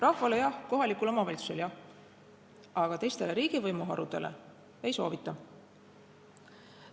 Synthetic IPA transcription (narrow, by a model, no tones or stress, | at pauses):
rʔɑhvɑlejɑhko̞ɦɑlikulo̞mɑvɑlʲit̪su̥seljɑh | ɑɡ̥ɑt̪e̞jst̪e̞le̞ɾiːɡ̥ivɤjmuɦɑ̰ɾud̪̥e̞lḛ | e̞jso̞̰ːvit̪ˑːɑ